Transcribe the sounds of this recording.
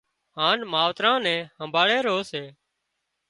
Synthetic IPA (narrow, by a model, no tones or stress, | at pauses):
ɦãːnmaːʋt̪ɾãːnɛ̃ːhəmbʱaːɭeːɾoːseː